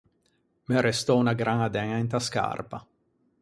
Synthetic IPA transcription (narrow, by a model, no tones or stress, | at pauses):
meɾest̪ɔunaɡɾaŋad̪ɛŋint̪aska̰rpa